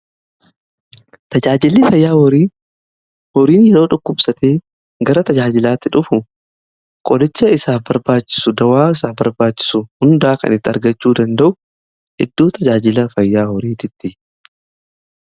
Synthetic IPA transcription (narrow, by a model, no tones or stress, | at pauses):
t̪ɐd͡ʒaːd͡ʒɪlːɪfɐjːaːhɔɾiː | hɔɾiːnjɛɾo̞ːᶑʊkːʊbsɐt̪eː | ɡɐɾɐt̪ɐd͡ʒaːd͡ʒɪlaːt̪ːɪᶑʊfʊ | kʼɔd̪ɛt͡ʃːɐɪsaːfbɐɾbaːt͡ʃːɪ̥sʊd̪ɐwaːɪsaːfbɐɾbaːt͡ʃːɪ̥sʊhʊnd̪aːkɐ̰nɪt̪ːɪɐ̰ɾɡɐt͡ʃːuːd̪ɐnd̪ɐʔʊ | ʔɪd̪ːoːt̪ɐd͡ʒaːd͡ʒɪlɐfɐjːaːhɔɾiːt̪ɪt̪ːɪ